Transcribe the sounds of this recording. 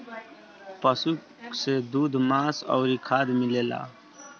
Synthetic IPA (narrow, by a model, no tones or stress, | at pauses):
pəsu | sed̪uːd̪maːsɔ̰ːɾikʰaːd̪mileːla̰ː